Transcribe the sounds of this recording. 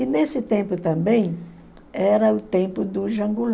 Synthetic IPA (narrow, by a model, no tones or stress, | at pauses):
ɪnesɪt̪ẽmpʊt̪ɐ̃mbẽj̃ | ɛɾɐʊt̪ẽmpʊd̪ʊʒɐ̃ŋɡul